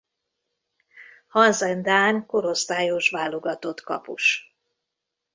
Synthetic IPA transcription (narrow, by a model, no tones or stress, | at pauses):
hɒnzɛnd̪aːŋko̞ɾo̞st̪aːjo̞ʃvaːloɡɒt̪o̞t̪kɒ̰puʃ